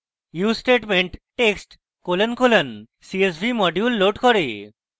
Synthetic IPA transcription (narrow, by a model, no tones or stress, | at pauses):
jusʈeʈmeɳʈʈeksʈ | kolənkolən | sies̬bʱimɔɖjulːoʈkɔɾe